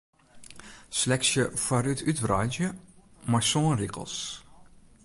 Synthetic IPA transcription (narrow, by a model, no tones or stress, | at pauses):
slɛksjəfaɾytʰytrɔjnzjəmaɹsoːnrikə̰l̩ˠs